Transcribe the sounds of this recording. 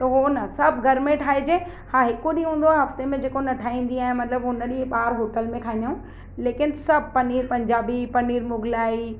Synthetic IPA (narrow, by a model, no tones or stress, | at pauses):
t̪ɐɦonɐsɐbʱɡʱɐɾmẽʈʰaːed͡ʑeː | hãːɦɪkoɗĩːɦũːn̆d̪oaːɦɦɐft̪emẽd͡ʑeːkonɐʈʰaːĩːn̆d̪iaːɦẽmɐt̪ləbɦʊnəɗĩɓaːɾɦoːʈəlmẽkʰaːĩnd̪aũ | leːkɪnsɐb̚ʱpɐniːɾpɐ̃ɲd͡ʑaːbipɐniːɾmʊɡʱlaːi